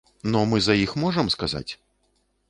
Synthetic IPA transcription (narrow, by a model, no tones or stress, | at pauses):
nɔmɨzɐjixmɔʐɐmskaza̰t͡sʲ